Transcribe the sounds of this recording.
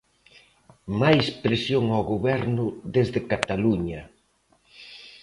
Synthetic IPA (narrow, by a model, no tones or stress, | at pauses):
majspɾesjoŋawɣoβɛɾnʊðezðɪkat̪aluɲɐ